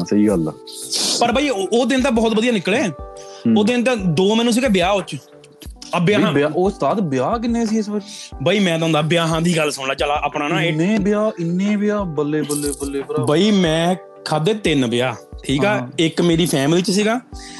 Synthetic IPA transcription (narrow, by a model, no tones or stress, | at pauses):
səiːɡəl | pəɾbaːiːoːd̪ɪnt̪ãːbɔːt̪bəd̪ijaːnɪkleː | oːd̪ɪnt̪̬ãːd̪oːmɛːnũs̬iːɡaːbɪjaːɦʊt͡ʃ | əbjaːɦãaːoːst̪aːt̪bɪjaːk̬ɪnːeːsiːɪsbət͡ʃːbaːiːmɛ̃ːt̪ãõnd̪aːbɪjaːɦãːd̪iːɡəlsʊɳlaːt͡ʃəlaːʔaːpnãːnãːeːnẽːbɪjaːɪnːẽːbɪjaːbəlːeːbəlːeːbəlːeːbaːiːmɛ̃ː | kʰaːd̪eːt̪ɪnbɪjaːʈʰiːkaːɪkmeːɾiːpʰɛːmliːt͡ʃsiːɡaː